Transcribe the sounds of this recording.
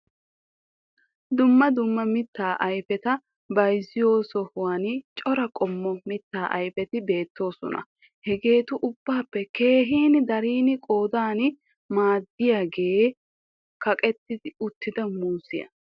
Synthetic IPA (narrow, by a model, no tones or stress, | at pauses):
d̪ʊmːɐd̪ʊmːɐmɪt̪ːaːʔɐjfɛt̪ɐ | bɐjzɪjo̞ːsɔhʊwant͡ʃʼɔɾɐkʼɔmːɔmɪt̪ːaːʔɐjfɛt̪ɪbe̞ːt̪ːo̞ːsɔ̰nɐ̰ | hɛɡe̞ːt̪ʊʔʊbːaːpːɛke̞ːɦiːnɪd̪ɐɾiːnɪkʼo̞ːd̪aːnɪ | maːd̪ːɪjaːɡe̞ː | kɐkʼɛt̪ːɪd̪ɪʊt̪ːɪd̪ɐmuːsɪjɐ̰